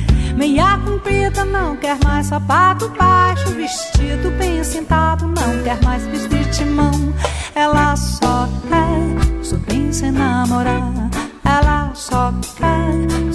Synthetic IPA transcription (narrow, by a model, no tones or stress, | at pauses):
mejakũpɾid̪ɐnɐ̃w̃kɛɾmajsfapaɾd̪ʊbajjʃʊveʃt͡ʃid̪ʊbẽj̃sẽnt̪ad̪ʊnɐ̃w̃kɛɾmajspest̪iɾt͡ʃimɐ̃w̃ɛlɐsɔkɛsɔkẽj̃sẽnɐmoɾa | ɛlɐsɔkɛ